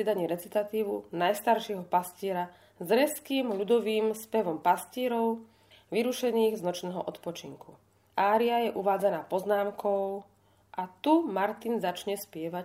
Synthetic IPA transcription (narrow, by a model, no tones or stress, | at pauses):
id̪aɲiːɾɛt͡sit̪at̪iːʋunajst̪aɾʃɪɛɦɔpasciɛɾa | zɾɛskiːmʎud̪ɔʋiːmspɛʋɔmpasciːɾɔʊ | ʋiɾuʃɛniːɣznɔt͡ʃnɛːɦɔ̰ʔɔt̪pɔt͡ʃiŋku | ʔaːɾiajɛʔuʋaːd͡zanaːpɔznaːmkʰɔʊ | ʔat̪umaɾt̪inzat͡ʃɲɛspɪɛʋa